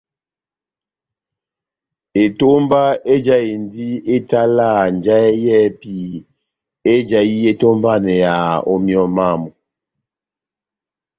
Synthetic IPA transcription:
e˨to˦mba˦e˦d͡ʒa˦i˨ndi˦e˦ta˦la˦˨n˨d͡ʒa˦ɛ˦jɛ˦pi˦˨ | e˦d͡ʒa˨ji˦e˦to˦mba˦nɛ˨ja˨o˦mjɔ˦˨ma˦˨mu˨

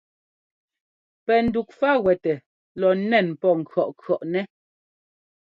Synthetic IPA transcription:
pɛ˨n̩˨du˨k̚fa˦ɣwɛ˨tɛ˨ | lɔ˨nɛ˦˨npɔ˦˨ŋ̩˨kɰɔ˨ʔkʰɔ˨ʔnɛ˦

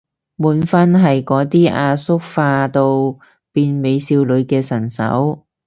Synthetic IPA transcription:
muː˨˥nfɐ˥nɦɐ˨jkɔː˨˥t̪iː˥ʔaː˧sʊ˥k̚faː˧t̪o˧w | piː˨˧nme˨˧jsiː˧wlɵ˨˧ɥkɛː˧sɐ˨˩nsɐ̰˨˥w

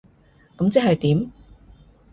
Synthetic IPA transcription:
kɐ˨˥mt͡sɛː˥hɐ˨jt̪iː˨˥m

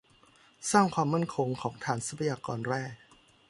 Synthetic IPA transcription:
saː˥˩ŋkʰwaː˧mːa˥˩nkʰo˧ŋkʰɔː˩˦ŋt̪ʰaː˩˦nsa˨˦˥pʰa˧jaː˧kɔː˧nɾɛː˥˩k̚

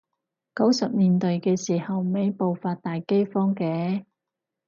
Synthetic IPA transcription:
kɐ˨˥wsɐ˨p̚niː˨˩nt̪ɵ˨ɥkɛː˧siː˨˩hɐ˨wme˨˥jpo˨wfaː˧t̚t̪aː˨jke˥jfɔː˥ŋkɛː˧˥

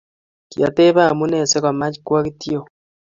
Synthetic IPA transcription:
kia˨te˦βa˦mu˦ne˦˨se˦ko˨ma˦t͡ʃikwa˦ɣi˦ti˦o˨

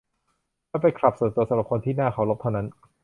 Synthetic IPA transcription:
a˥˩pa˧jkʰla˨˩p̚so˨˩t̪u˧ɐsa˧˦mɾa˨˩p̚kʰo˧nt̪ʰiː˥˩naː˥˩kʰa˦˥wlo˦˥t̪ʰa˥˩wna˦˥n

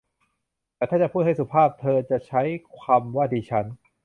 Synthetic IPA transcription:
t̪ɛː˨˩t̪ʰaː˥˩t͡ɕa˨˩pʰuː˥˩ha˥˩su˨˩pʰaː˥˩p̚t̪ʰɤː˧t͡ɕa˨˩ʔt͡ɕʰa˦˥jkʰaː˧mwaː˥˩diː˧t͡ɕʰa˦˥n

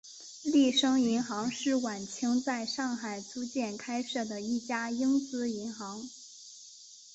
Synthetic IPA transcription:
li˥˩ʂɤ˥ŋi˧˥nxɑ˧˥ŋʂɻ̩˥˩wa˨˩nt͡ɕʰi˥ŋt͡sa˥˧ɪʂɑ˥˩ŋxa˨˩ɪt͡su˥t͡ɕjɛ˥˩nkʰa˥ɪʂɤ˥˩d̪ə˩i˥˩t͡ɕja˥ji˥ŋt͡sɹ̩˧˥i˧˥nxɑ˧˥ŋ

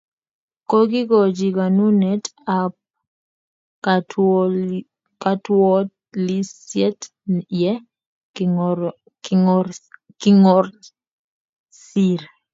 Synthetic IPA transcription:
kɔ˦ɡɪ˦ɡɔ˨d͡ʒi˨ka˨nu˦nɛ˦tap̚ | ka˦twɔ˦ | li˦sjɛ˦t | jɛ˦ | kɪ˦ŋɔr | si˦ɾ

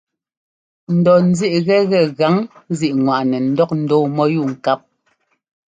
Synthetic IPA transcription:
n̩˨dɔ˨n̩˨zi˦ʔɣɛ˦ɣɛ˨ɣa˨˦ŋzi˨ʔŋwa˨ʔnɛ˨n̩˦dɔ˦k̚n̩˨˦dɔ˦mɔ˦ju˦˨ŋ̩˨ka˦p̚

